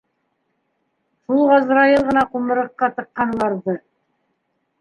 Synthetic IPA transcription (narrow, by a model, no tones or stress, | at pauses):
ʃulˠʁɑzɾɑjɤlˠʁɤ̆nɑqumɤ̆ɾɤ̆qːɑt̪ɤ̆qːɑnlˠɑɾðɤ